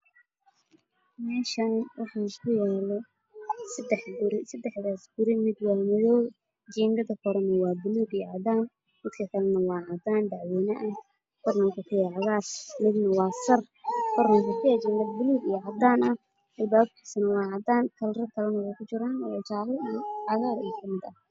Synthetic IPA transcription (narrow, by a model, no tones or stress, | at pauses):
mɛːʃɐnwɑħɑkʰʊjaːlɔ | sɐd̪ɛħbʊɾɪsɐd̪ɛħðaːsɡʊɾɪmɪd̪wɑːmɐðɔw | d͡ʒɛːŋɡɐðɐkʰɔɾɐnɐwɑːbʊluːɡijʕɑd̪aːn | mɪd̪kʰɐkʰɐlɐnɐwɑːʕɑd̪aːnd̪aʕwɛːnɐʔɐ | kʰɔrnɐŋkʰɐkʰʊjɛʕɑɣaːrmɪd̪nɐwɑːsɐr | kʰɔɾnɐŋkʊkʰɪjɛt͡ʃɛŋɡɐðbʊluːɡijɔʕɑd̪aːnɐ | mɪd̪baːbɪsɐnɐwɑːʕɑd̪aːnk̪ʰɐlrɐkʰɐlɐnɐwɛjkʰʊt͡ʃɪɾaːnɛt͡ʃaʕlɪʕɑɣaːɾikʰɐmɪd̪ɐ